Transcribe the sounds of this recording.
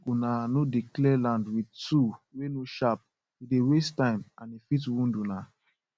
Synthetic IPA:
ɡunanodiklɛlãndwidtuwenoʃap̚ | idewestãɪ̃mãnifit̬wũnduna

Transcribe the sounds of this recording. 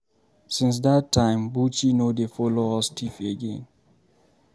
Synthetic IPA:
sĩns̬dattʰːãɪ̃mbut͡ʃinodefɔloɔstʰifeɡḛ̃n

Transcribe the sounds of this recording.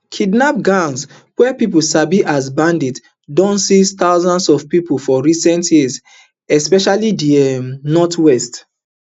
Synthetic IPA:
kʰidnap̚ɡãns | wɛpipusabiʔazbãndit | dõnsist̪aʊzãnsɔfpipufɔɹisɛ̃ntʰjiz | ɛspɛʃalidiɛmnɔtʰwɛst

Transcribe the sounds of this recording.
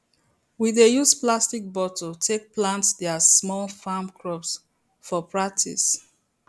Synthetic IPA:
wiðejusplastik̚bɔtʰotʰek̚plãntdɛasmɔlfamkʰɹɔps | fɔpʰɹak̚tʰḭs

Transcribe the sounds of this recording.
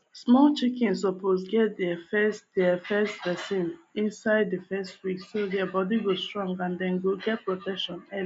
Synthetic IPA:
smɔlt͡ʃikɛ̃ns̬ɔpʰosɡɛt̚dɛfɛsdɛfɛstvɛsĩnĩnsaɪddifɛstwiksodɛabɔdiɡo̥stɹɔ̃ŋɡãndɛ̃nɡoɡɛt̚pɹotɛkʃɔ̃nɛli

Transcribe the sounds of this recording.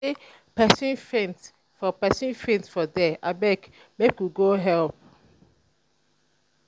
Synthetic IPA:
e | pɛsĩnfɛ̃nt | fɔpɛsĩnfɹɛ̃nsfɔdɛʔabɛk | mekuɡoɦɛlp̚

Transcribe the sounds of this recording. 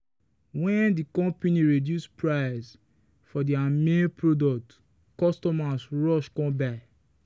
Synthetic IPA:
wɛ̃ndikɔ̃mpeniɹidjuspɹaɪs | fɔdiamẽpʰɹodɔk̚t | kɔstɔmasɹɔʃkɔ̃baɪ

